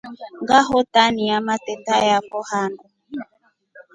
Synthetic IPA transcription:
ŋɡaɦɔtaniamatɛtajakɔhanɔ

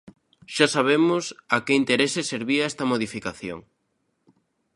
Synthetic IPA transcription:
ʃasaβ̞emʊsakeint̪eɾesɪseɾβiɐɛst̪ɐmoðifikaθjo̰ŋ

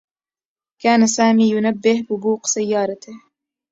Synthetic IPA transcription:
kaːnɐsaːmiːjunɐbːehbubuːqsɐjːɑːɾɐt̪ʰe

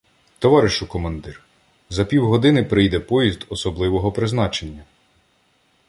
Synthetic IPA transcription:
t̪ɔʋɑɾɪʃʊkɔmɐnd̪ɪr | zɐpʲiwɦɔd̪ɪnɪpɾɪjd̪ɛpɔjizd̪ɔsɔblˠɪʋɔɦɔpɾɪznɑt͡ʃe̞nʲːɐ

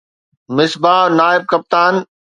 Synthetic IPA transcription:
mɪsbaːnaːɪb̚kɐp̚t̪aːn

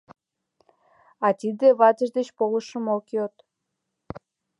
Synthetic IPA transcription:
ɑt̪id̪eβɑt̪əʒd̪et͡ɕpoləʃəmokot̪

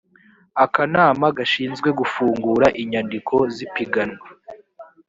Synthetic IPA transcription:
akanaːmaɡaʃiːnzɡwe̞ɡufuːŋɡuːɾaʔiɲandikʰo̞zipiɡano

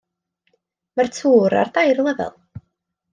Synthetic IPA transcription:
mərtʰuːɾa̰rd̪ajrlˠɛvɛ̰lˠ

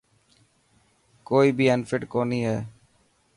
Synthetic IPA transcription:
koːiːbʱiːənfɪʈkoːniːɦɛː

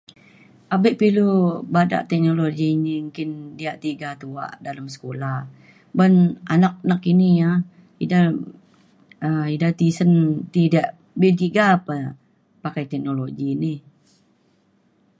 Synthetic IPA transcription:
ʔabɪʔpilubada̰ʔt̪ɛk̚noloɡiɲiŋkɪndiaʔt̪iɡat̪ua̰ʔdaləmsə̥kolah | bənʔa̰nak̚nakinija | ida | əidat̪isənt̪idaʔ | bit̪iɡapə | pakajt̪ɛk̚noloɡinɪh

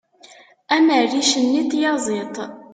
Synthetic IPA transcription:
æmərːiʃənːit̪jɑzˤit̪ˤ

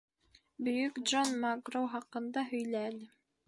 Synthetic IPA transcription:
bɵ̆jɵkd̪ʒonmaɡrowχɑqɤ̆nd̪ɑɦɵ̆jlæːlɘ

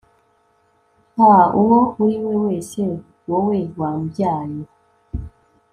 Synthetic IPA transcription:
auwouɾiwewese | wowewambjaːjo

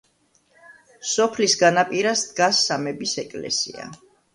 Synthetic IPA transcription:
sɔpʰlisɡanapʼiɾasd̪ɡasːamɛbisɛkʼlɛ̰sḭa̰

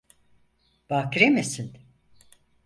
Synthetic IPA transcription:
b̥akɾemesin

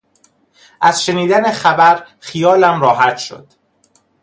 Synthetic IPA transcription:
ʔæz̥ʃe̞niːd̪ænexæbæɾ | χijɒːlæmɾɒːhæt̪ʃo̰d̪̥

